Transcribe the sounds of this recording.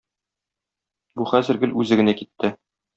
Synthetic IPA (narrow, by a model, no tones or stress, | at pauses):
buχæzɘ̆ɾɡɘlʉzɘɡɘ̆nækit̪ːɘ